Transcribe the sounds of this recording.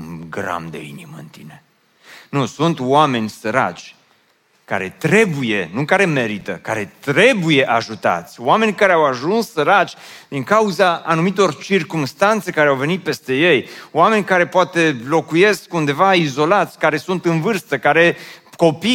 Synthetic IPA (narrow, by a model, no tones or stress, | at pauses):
ɡɾa̰md̪e̞̰ḭniməɨ̰nt̪ḭne̞ | nusunt̪wame̞nʲsəɾa̰t͡ʃʲ | ka̰ɾe̞̰t̪ɾe̞buje̞nukaɾe̞me̞ɾit̪ə̰kaɾe̞t̪ɾe̞buje̞ʔaʒut̪a̰t̪sʲoame̞nʲkaɾeawaʒunsːəɾat͡ʃʲd̪iŋkauzaːnumit̪o̞rt͡ʃirkumst̪ant̪se̞kaɾeawve̞nit̪̚pe̞st̪e̞je̞jowame̞nʲkaɾe̞poat̪e̞lo̞kuje̞skund̪e̞vaizo̞lat̪sʲkaɾe̞sunt̪ɨnvɨrst̪əkaɾe̞ko̞pi